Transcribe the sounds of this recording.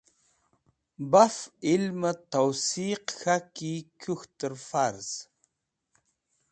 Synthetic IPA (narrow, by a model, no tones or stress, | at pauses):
bafilmət̪awsiːqxakikʰʲuxt̪ɨɾfaɾz̥